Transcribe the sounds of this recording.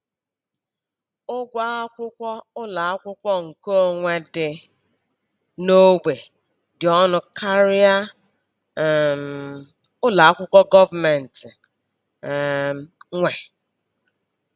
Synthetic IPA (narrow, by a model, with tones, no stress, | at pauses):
ʊ˦ɡʷa˦a˦kʷʊ˦kʷɔ˦ʊ˦la˨a˦kʷʊ˦kʷɔ˦ŋ̩˨ko˦ŋʷe˨dɪ˨ | no˦ɡʷe˨ | dɪ˨ɔ˦nʊ˦kʰa˦ɾɪ˦a˦˨ | ʊ˦la˨a˦kʷʊ˦kʷɔ˦ɡɔ˦va˨mɛ˨n̩˨tɪ˨ | ŋʷe˨